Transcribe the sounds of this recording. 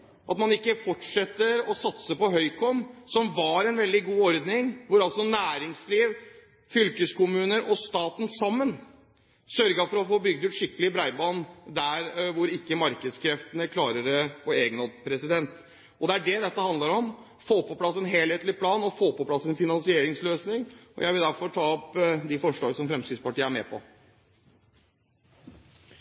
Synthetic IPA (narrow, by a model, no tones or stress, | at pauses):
ʔɑt̪mɑnɪkːəfɔʈʂɛt̪ːəɾɔsɑt̪səpɔɦœʏkʰɔmsɔmʋɑɾɛnʋɛld̪ɪɡuːɔɾd̪nɪŋʋʊɾɑlt̪sɔnæːɾɪŋsliːʋ | fʏlkəskʊmʉːnəɾʔɔst̪ɑːt̪n̩sɑmːən | sœɾɡəfɔɾɔfoːbʏɡd̪ʉːt̪ʂɪkːəlɪbɾæɪbɑːnd̪æɾʋʊɾɪkːəmɑɾkəd̪skɾɛft̪ənəkʰlɑːɾəɾɔɾeːɡənod̪pʰɾɛsɪd̪ɛnt̪ | ɔd̪ɛæɖɛd̪ɛt̪ːəhɑnd̪əɾɔm | foːpɔpʰlɑsːɛnɦeːlheːt̪lɪpʰlɑːnɔfoːpɔpʰlɑsːɛnfɪnɑnsɪeːɾɪŋsløːsnɪŋɔ̰jæɪʋɪld̪æɾfɔɾʈʰɑːɔpd̪ɪfɔʂɭoːɾsɔmfɾɛmskɾɪt̪spɑʈiːəæɾmɛ̰ːpʰɔ̰